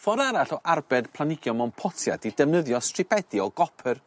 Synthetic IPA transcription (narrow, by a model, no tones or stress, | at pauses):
fɔɾaɾaɬɔʔarbɛdpʰlˠanɪɡjɔmɔnpʰɔtʰja̰didɛvnəðjɔstrɪpʰɛd̥iɔɡɔpʰər